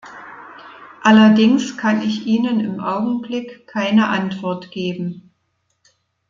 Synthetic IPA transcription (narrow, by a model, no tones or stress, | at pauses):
ʔalɐdɪŋskʰanɪçʔiːnənɪmʔaʊɡŋ̩blɪkʰːaɪnəʔantv̥ɔɐtɡ̥eːbm̩